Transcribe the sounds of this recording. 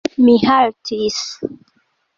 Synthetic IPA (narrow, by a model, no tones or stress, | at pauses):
mihaltʰis